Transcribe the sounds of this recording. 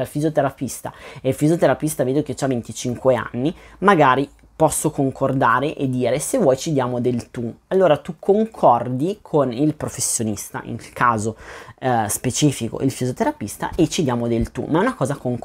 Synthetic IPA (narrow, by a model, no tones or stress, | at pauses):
alfizot̪eɾapist̪aeilfizot̪eɾapist̪aveːd̪oket͡ʃːavːent̪it͡ʃiŋkwea̰nːimaɡaːɾi | pɔsːokoŋkʰord̪aːɾeʔed̪ːiːɾesevwɔjt͡ʃid̪jaːmod̪elt̪ualːoːɾat̪ukʰːoŋkʰɔrd̪ikʰonilpɾofesːjonist̪a̰ʔḭŋkʰaːzo | spet͡ʃiːfiko̰ʔilfizot̪eɾapist̪a̰ʔet͡ʃːid̪jaːmod̪elt̪ṵmaɛunakɔːzakoŋk